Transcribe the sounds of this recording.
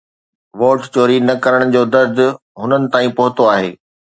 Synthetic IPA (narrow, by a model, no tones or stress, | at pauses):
ʋoːʈt͡ɕoːɾinɐkɐɾəɽ̃d͡ʑoːd̪ɐɾd̪ʱʊ̆ | ɦʊnənɪ̆t̪aːĩpɐɦʊt̪oaːɦeː